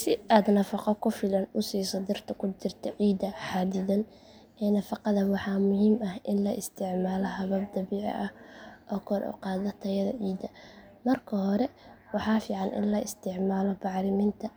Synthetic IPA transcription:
sɪʔaːd̪nɐfɑqɔkʰʊfɪlɐnʊsiːsɐd̪ɪrt̪ʰɐkʰʊt͡ʃɪrt̪ʰɐʕiːd̪ɐħɑːd̪ɪðɐn | ɛːnɐfɑqɑðɐwɑħɑːmʊɦiːmɐhʔɪnlɐʔɪst̪ʰɪʕmaːlɔɦɐβɐb̚d̪ɐβiːʕ̰ʔɐhʔɔːkʰɔɾʔɔ̰qɑːðɐt̪ʰɐjɐðɐ̰ʕiːd̪ɐ | mɐrkʰɐhɔɾɛwɑħɑːfiːʕɑnʔɪ̰nlɐɪst̪ʰɪʕmaːlɔbɑʕɾɪmiːnt̪ʰɐ

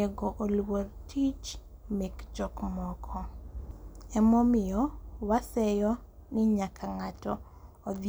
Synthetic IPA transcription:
ɛɡɔʔolwoɾtʰit͡ʃ | mɛkd͡ʒɔkmɔkʰɔ | ɛmɔmɪjɔwasɛjɔ | nɪɲakʰaŋatɔː | d̪

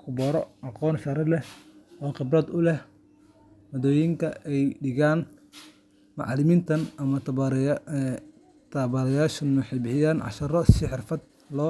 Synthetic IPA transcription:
kʰʊbɔɾɔʔɑqɔːnʃɐɾɐlɛʔɔːqɪbrɐd̪ʊlɛh | mɔd̪ɔːjɪŋkʰɐʔɛjɖɪɣaːn | mɑ̰ʕɑlɪmiːnt̪ʰɐnɐmɐ | t̪ʰɐβɐɾɐjaːʃɐnʊħɛjbɪħɪjaːnʕɑ̰ʃɐɾɔsɪħɪrfɐd̪̚ | lɔː

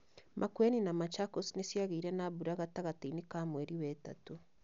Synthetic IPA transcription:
mʔakweninamat͡ʃakosnesjaɣeiɾɛnaβuɾaɣataɣatiinekamwɛɾiwɛta̰to

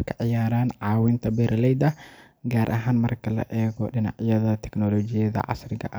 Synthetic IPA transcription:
kʰɐʕɪjaːɾaːnʕɑːwɪnt̪ʰɐbɛɾʔlɛjd̪ɐ | ɡaːɾʔɐɦaːnmɐrkʰɐlɐ̰ʔɛːɣɔɗɪna̰ʕjɐðɐt̪ʰɛknɔːlɔːt͡ʃɪjɐðɐ̰ʕɑ̰srɪɣɐ̰ʔɐ

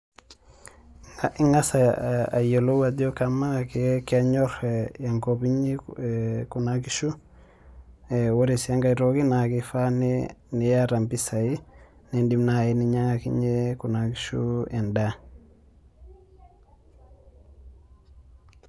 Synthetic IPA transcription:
aiŋasaa̰jolowadiokamaŋakekaɲɔɾejaŋkobiɲi | kunakiʃu | ewoɾesjaŋɡaiɾoɡinakifanenijaɾampisai | nendimnainiɲaŋakḭɲekunakiʃṵɛnda

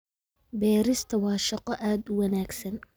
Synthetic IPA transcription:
bɛːɾɪst̪ʰɐwɑːʃɐqɔʔaːd̪ʊwɑnaːɡsɐn

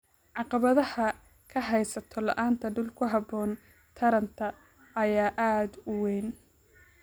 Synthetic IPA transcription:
ʕɑqɑβɐðɐhɐ | kʰɐɦɛjsɐt̪ʰɔlɐ̰ʔaːnt̪ʰɐɖʊlkʰʊɦɑbɔːn | t̪ʰɐɾɐnt̪ʰɐ | ɐjaːʔaːd̪ʊwɛjn

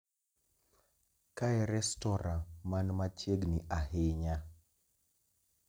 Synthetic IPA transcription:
kaɛɾɛstɔɾãmanmat͡ʃjeɡnɪʔaɦɪɲa

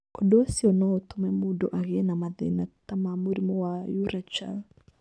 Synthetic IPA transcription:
kɔdɔsiɔnɔt̪umɛmudɔʔaɣɛnamaðɛ̰nat̪amamuɾimɔwajuɾat͡ʃa̰l

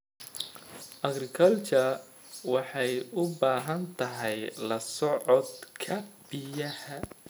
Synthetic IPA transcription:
ʔɐɡɾɪkʰɐlt͡ʃɐr | wɑħɑjʊbaːɦɐnt̪ʰɐɦɛjlɐsɔʕɔd̪kʰɐb̥ɪjɐhɐ

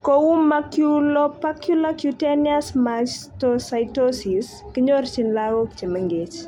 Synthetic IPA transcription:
kɔwumːakjulɔpakjulakjuteniasmat͡ʃtɔsajtosis | kiɲort͡ʃinlaɣɔkt͡ʃeməŋɡet͡ʃ

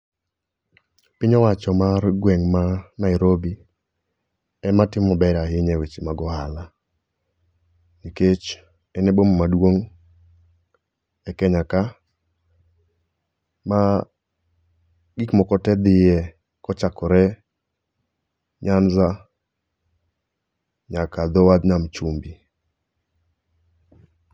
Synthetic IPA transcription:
pɪɲɔwat͡ʃɔmarɡwɛŋmanaɪɾobi | ɛmatɪmɔbɛɾaɦɪɲɛwet͡ʃimaɡɔhala | iket͡ʃ | ɛnɛbomɔmadwoŋ | ɛkɛɲaka | ma | ɡɪkmɔkɔtɛd̪ɪjɛ | kɔt͡ʃakɔɾɛ | ɲanza | ɲakad̪ɔwad̪namt͡ʃumbi

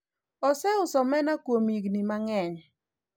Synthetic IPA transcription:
ɔsɛʊsɔmɛnakwomiɡnimaŋɛɲ

